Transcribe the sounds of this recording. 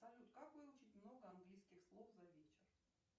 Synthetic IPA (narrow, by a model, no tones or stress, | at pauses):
ɐlʲut̪kakvɨlˠʊt͡ɕɪtʲmnoɡəɐnɡlʲijskʲɪxslˠofzɐvʲet͡ɕɪr